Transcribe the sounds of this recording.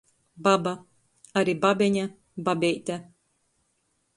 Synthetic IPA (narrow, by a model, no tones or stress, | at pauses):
baba | aɾʲibabʲɛɲʲa | babʲɛjt̪ʲæ